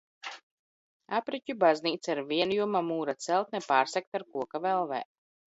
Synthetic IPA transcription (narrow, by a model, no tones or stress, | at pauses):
apɾicʲubazʲniːt̪saɾviɛnjuɔmamuːɾat̪sɛlˠt̪nɛpaːɾsɛk̚t̪aɾkuɔkavɛlˠvɛ̰ː